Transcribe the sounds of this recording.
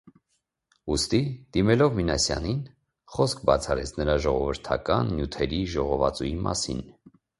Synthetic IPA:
ust̪id̪̥imɛlɔvminɑsjɑ̰nin | χɔskʰbɑt͡sʰɑɾɛt͡sʰnəɾɑʒɔʁɔvəɾt̪ʰɑkɑnːjut̪ʰɛɾiʒɔʁɔvɑ̰t͡sujimʔɑ̰sḭn

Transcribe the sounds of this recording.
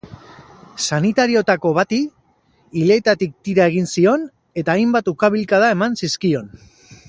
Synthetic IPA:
sanit̪aɾio̞t̪ako̞βat̪iː | le̞t̪at̪ik̚t̪iɾae̞ɣinsio̞n | e̞t̪aːjmbat̪ukaβ̞ilkaðae̞mansiskio̞n

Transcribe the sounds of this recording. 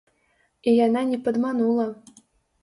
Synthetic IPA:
ijɑnɑnʲɛpəd̪mɑnulˠɐ

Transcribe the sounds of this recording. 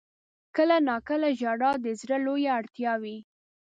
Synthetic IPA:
kəlanɑkəlaʒɑɽɑd̪əzɾəlojaːɽt̪jɑwi

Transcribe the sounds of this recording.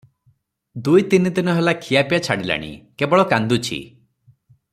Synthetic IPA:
d̪ujt̪inid̪inɔɦelakʰijapijat͡ʃʰaɽila̰ɽ̃ḭkebɔɭɔkand̪ut͡ʃʰḭ

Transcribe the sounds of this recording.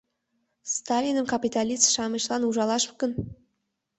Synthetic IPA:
st̪ɑlʲinəmkapʲit̪alʲiʃɑməʃlˠɑnuʒɑlˠɑʃmkɵn

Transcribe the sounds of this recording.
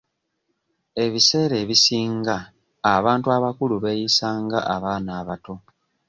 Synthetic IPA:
e̞βise̞ːɾe̞ːβisiːŋɡaː | βaːntuaβakuluβe̞jisaːŋɡaʔaβaːnaːβato̞

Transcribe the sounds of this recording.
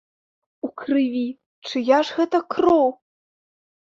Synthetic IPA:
ukrɨvʲi | t͡ʂɨjaʂɣɛt̪ɐkrow

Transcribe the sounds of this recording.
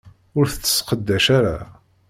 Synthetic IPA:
ʊɾθət͡sːə̥sqəd̪ːæʃaɾa̰

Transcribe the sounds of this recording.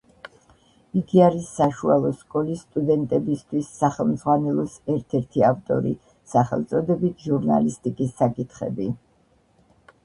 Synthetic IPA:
iɡiaɾisːaʃualˠɔskʼɔlisːt̪ʼud̪ɛnt̪ʼɛbist̪ʰwisːaχɛlˠmd̪zʁwanɛlˠɔsɛɾt̪ʰɛɾt̪ʰiaft̪ʼɔ̰ɾḭ | saχɛ̰lˠt̪sʼɔd̪ɛbit̪ʰʒuɾna̰list̪ʼikʼisːakʼit̪ʰχɛ̰bi

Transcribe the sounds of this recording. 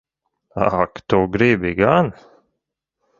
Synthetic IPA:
a̰kt̪oɡɾibɪɡan

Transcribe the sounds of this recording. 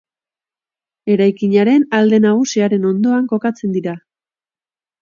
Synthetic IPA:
e̞ɾajkiɲaɾe̞nald̪e̞naɣ̞usiaɾe̞no̞nd̪o̞aŋko̞kat͡se̞nd̪iɾa

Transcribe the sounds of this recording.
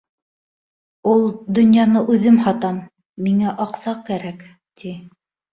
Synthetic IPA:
ulˠd̪ɵ̆njɑnɤʔʉðɘmhɑt̪ɑmː | iŋæʔɑqsɑq̚kæɾæk | t̪i

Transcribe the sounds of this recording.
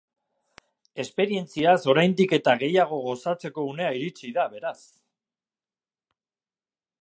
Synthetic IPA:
e̞spe̞ɾie̞nt͡siaso̞ɾajnd̪ike̞t̪aɣe̞jaɣ̞o̞ɣo̞sat͡se̞ko̞une̞aiɾit͡siðaβe̞ɾas

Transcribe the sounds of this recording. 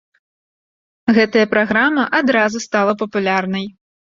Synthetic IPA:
ɣɛt̪ɐjɐpɾaɣɾamɐʔad̪ɾazust̪alˠɐpɐpulʲarnɐj

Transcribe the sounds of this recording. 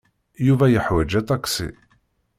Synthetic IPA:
juvæjəħwæd͡ʒæt̪ˤɑksḭ

